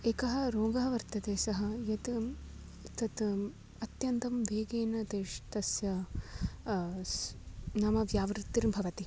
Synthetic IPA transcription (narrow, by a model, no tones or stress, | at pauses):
eːkɐɦɐ̆ɾoːɡɐːɐʋɐɾt̪ɐt̪eːsɐɦɐ̆jɐt̪ | t̪ɐt̪ | ɐt̪jɐnt̪ɐmʋeːɡeːnɐt̪eːʃt̪ɐsjɐ | nɐmɐʋjaːʋɾt̪ːiɾmbʱɐʋɐt̪i